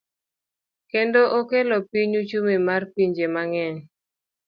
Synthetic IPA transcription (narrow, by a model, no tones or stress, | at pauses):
kendoʔokelɔpiɲut͡ʃumemarpiɲd͡ʒemaŋɛɲ